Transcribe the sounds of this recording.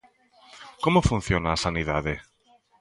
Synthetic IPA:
komofun̟θjonaːsaniðaðe

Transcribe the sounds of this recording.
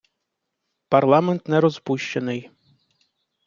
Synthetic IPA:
pɐrlˠɑmɛnt̪nɛɾɔzpuʃt͡ʃɐnɪj

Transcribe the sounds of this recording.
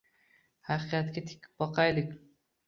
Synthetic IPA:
hɑqɨjat̪kʲat̪ʰɪ̥kʲʰɪ̥p̚bɒqʰɑjlɪkʲ

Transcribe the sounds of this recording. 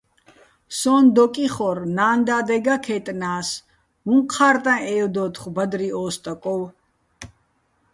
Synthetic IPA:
sɔːnd̪ɔkʼiχɔɾnaːnd̪aːd̪ɛɡakʰɛt̪ʼnaːs | muŋqʰaːɾt̪ʼãʔɛːɔd̪ɔːt̪ʰχbad̪ɾiɔːst̪ʼakʼɔw

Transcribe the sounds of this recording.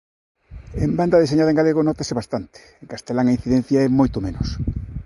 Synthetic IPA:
emband̪ɐðeseɲaðɐẽŋɡaleɣonɔt̪aseβast̪ant̪ɪ̥eŋkast̪elaŋain̟θiðen̟θjaɐɛmojt̪omenʊs

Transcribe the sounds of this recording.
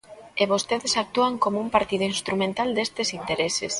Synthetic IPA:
eβost̪eðesak̚t̪uaŋkomoumpaɾt̪iðʊinst̪ɾumẽnt̪ald̪est̪esint̪eɾesḛs

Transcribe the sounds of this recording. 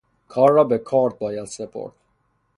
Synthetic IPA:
kʰɒːɾːɒːbekʰɒːɾd̪̚bɒːjæd̪sepʰo̰ɾt̪

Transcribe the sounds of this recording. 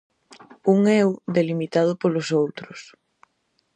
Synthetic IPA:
uŋɛwðelimit̪að̞ʊpolʊsowt̪ɾʊs

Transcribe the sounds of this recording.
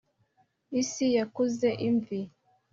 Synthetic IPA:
isijakuzeʔiɱvi

